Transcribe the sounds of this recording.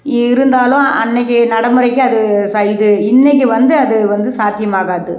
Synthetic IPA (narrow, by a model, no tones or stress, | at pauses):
ɾɯnd̪aːlʊ̃ɐ̰nːɛk̬ʲːɯnɐɽɐmɯɾɐɪkʲːɯɐðɯsɐjðɯɪnːɛk̬ʲːɯʋɐnd̪ɯɐðɯʋɐnd̪ɯsaːt̪ɪjɐmaːɣaːðɯ